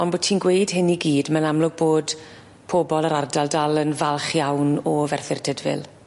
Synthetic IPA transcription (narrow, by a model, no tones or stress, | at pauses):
ɔnbotʰiːnɡwejd̥ɦɪniɡiːdmənamlʊɡ̚boːd | pʰɔːbɔlˠəɾardalˠdalˠənvalˠχjawnɔvɛrθɪrd̥ʰədvɪ̰lˠ